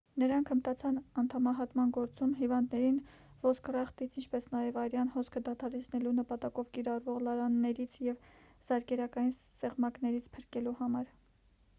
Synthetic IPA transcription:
nəɾɑŋkʰəmt̪ɑt͡sʰɑnɑnt̪ʰɑmɑɦɑt̪mɑnɡɔɾt͡sumɦivɑnd̪nɛɾin | vɔskʰrɛχt̪it͡sʰint͡ʃʰpɛsnɑjɛvɑjɾjɑnhɔskʰəd̪ɑt̪ʰɑɾɛt͡sʰnɛlunəpɑt̪ɑkɔvkiɾɑrvɔʁlɑɾɑnːɛɾit͡sʰjɛv | z̥ɑɾkɛɾɑkɑjin | sɛʁmɑknɛɾit͡sʰpʰəɾkɛluhɑmɑɾ

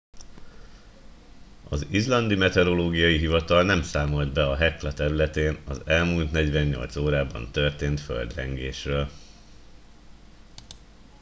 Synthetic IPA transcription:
ɒzizlɒnd̪imɛt̪ɛɾo̞loːɡijɒjiɦivɒt̪ɒlnɛmsaːmo̞ld̪bɛɒɦɛklɒt̪ɛɾylɛt̪eːnɒzɛlmuːlt̪nɛɟʋɛɲːo̞̰lt̪soːɾaːbɒ̰nt̪ørt̪eːnt̪fø̰ld̪rɛŋɡeːʃrøːl

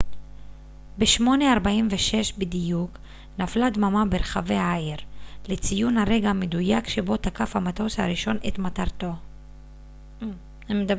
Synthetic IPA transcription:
beʃmo̞neaʁbaimveʃe̞ʃbidijuk | naflad̪mamabeʁχave̞aeʁlet͡sijunhaʁe̞ɡamedujakʃebo̞t̪akafhamat̪oshaɾiʃo̞nʔet̪mat̪aʁt̪o̞ | md̪a

